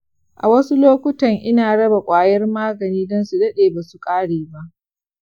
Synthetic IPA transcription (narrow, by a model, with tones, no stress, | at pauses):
ʔa̰˨wɐ˦su˦loː˦kʷʊ˦tɐ˨ŋʔɪ˦naː˨ɽɐ˦ba˨kʷʼaː˨jɐ˦rmaː˦ɡɐ˨niː˦dɔ˦nsu˨dɐ˦ɗeː˨baː˨su˨kʼaː˦ɽeː˨ba˦ʔ